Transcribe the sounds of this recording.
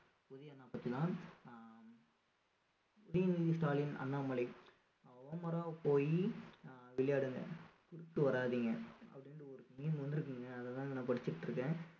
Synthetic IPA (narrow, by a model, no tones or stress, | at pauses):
ʊðɪjɐnːaːpɐt̪ːit̪ãː | pʊðɪjɐniːðisʈaːlɪnɐ̰nːaːmɐɭɐɪ | ʋɐmɐɾaːpoːji | ʋɪɭɐjaːɽɯŋɡɐ̰kʊɽɯʈːɯʋɐɾaːðiːŋɡɐɐ̰pːɐɽɪnɾɯɔɾɯkɐmiːnmʋɐnd̪ɯɾɯkːɯːŋɡɐːðɐt̪ãːnɐ̃ːpɐɽɪt͡ʃːɯʈːɾɯkːẽː